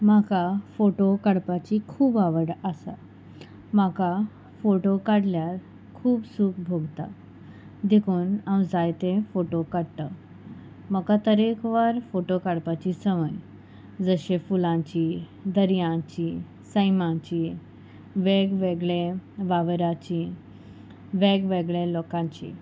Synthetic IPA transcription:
makafoʈokəɽpat͡ɕikʰuːbaʋəɽasa̰ | maka | foʈokaɽljaɾ | kʰuːbsuːkbʱoɡt̪a̰ | d̪ekʰuːnawd͡zajt̪ẽfoʈokaɽt̪ə | məkat̪əɾekʰʋaɾfoʈokaɽpat͡ɕisəʋəj | d͡zəɕefulãt͡ɕi | d̪əɾjãt͡ɕi | səjmãt͡ɕi | ʋeɡʋeɡɭeʋaʋɾat͡ɕi | ʋeɡʋeɡɭelɔkãɲt͡ɕḭ

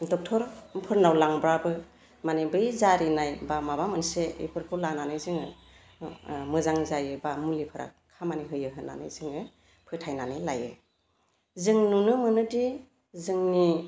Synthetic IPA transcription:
dɔk̚tʰɔɾmpʰɯɾnawlaŋbɾabɯ | manibɯjzaɾinajbamabamɯnseḭpʰɯɾkʰɯlananɯjzɯŋɯ | mɯzaŋzajɯbamulipʰɯɾa̰kʰamaniɦɯjɯɦɯna̰nɯ̰jzɯŋɯ | pʰɯtʰajnanɯjlajɯ̰ | zɯŋnunɯmɯnɯdi | zɯŋni

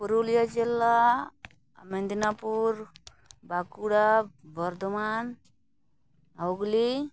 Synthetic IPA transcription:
puɾulijad͡ʒilːa | mend̪inapuɾ | bakuɽabɔɾd̪ɔman | ɦawɡli

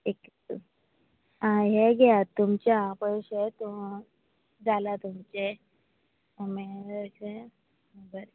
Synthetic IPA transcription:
ek | ãɦeɡɛat̪ːumt͡ɕaapəjɕet̪u | d͡zalat̪umt͡ɕe | mese | əɡəɾ

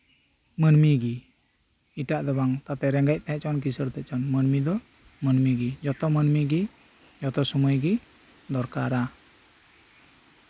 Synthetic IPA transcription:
mənmiɡi | iʈaʔd̪ɔbaŋt̪at̪ɛɾɛŋɡac̚ˀt̪ɛɛʔ̚t͡ʃɔnk̬isəɾt̪ɛʔ̚t͡ʃɔnmənmid̪ɔ | mənmiɡid͡ʒɔt̪ɔmənmiɡi | d͡ʒɔt̪ɔsumujɡi | d̪ɔɾkaɾa

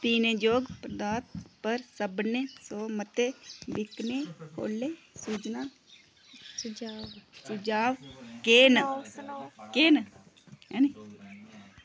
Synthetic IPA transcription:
t̪iːneːd͡ʒoːɡpɾəd̪aːt̪̚pəɾsəbneːsoːmət̪eːbɪkneːkʰo̰ːlːeː | suːd͡ʒnaː | sʊd͡ʒaːʋkeːn | keːn | ɛːni

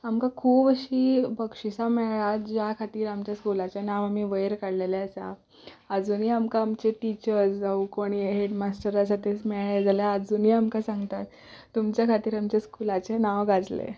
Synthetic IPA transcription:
amkakʰuːbəɕiːbəkʂisamɛɭɭat̪d͡ʑjakʰat̪iːɾamt͡ɕjaskulat͡ɕenaʋamiːʋəjɾkaɽleleəsa̰ | əd͡zuniːamkaːmt͡ɕeʈit͡ɕəɾsd͡zaukoɽ̃iːɦeɖmasʈəɾas̬at̪esmɛɭed͡zaljaəd͡zuniːamkasãŋɡt̪at̪ː | umt͡ɕjakʰat̪iːɾamt͡ɕaskulat͡ɕenaʋɡad͡zlḛ

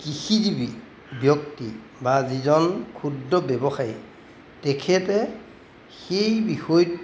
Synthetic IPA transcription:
kixizibi | bjɔk̚ti | bazizɔnkʰudːɔbɛbɔxaji | tɛkʰɛtɛ | xejbixɔj

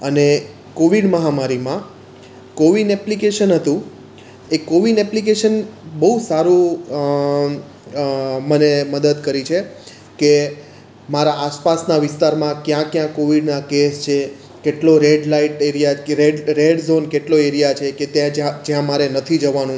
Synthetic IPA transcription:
əne | koʋiɽməɦamaɾimã | koʋinɛplikeʃənɦət̪ũ | ekːoʋinɛplikeʃənbəusaɾũ | məneməd̪əd̪kəɾit͡ʃʰe | ke | maɾaaspasnaʋɪst̪aɾmãkjãkjãkːoʋiɖnakest͡ʃʰe | keʈloɾeɖlaiʈeɾijaɾeɖɾeɖzonkeʈloeɾijat͡ʃʰeket̪jãad͡ʒjãmaɾenət̪ʰid͡ʒəʋanũ

